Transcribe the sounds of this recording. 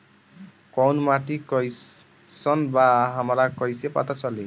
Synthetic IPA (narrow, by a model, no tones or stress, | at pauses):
kɔwnmaʈikʌj | sʌnbaɦamɾakʌjsepa̰t̪at͡sʌli